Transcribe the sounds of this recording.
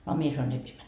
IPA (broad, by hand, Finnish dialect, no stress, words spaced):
ɑ mie sɑnoin ei pie